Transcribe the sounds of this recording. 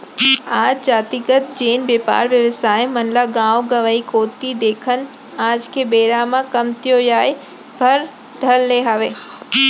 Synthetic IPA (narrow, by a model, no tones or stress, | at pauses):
aːd͡ʑd͡ʒaːt̪iːɡət̪̚d͡ʑeːnʋeːpa̰ːɾʋjɐʋəsaːɪmɐnlaɡãːʋɡɐʋəikoːt̪id̪eːkʰən̆ | aːd͡ʑkʰeːbeːɾamãkɐmt̪ijojaːe | bʱɐɾ | d̪ʱɐlleɦaːʋeː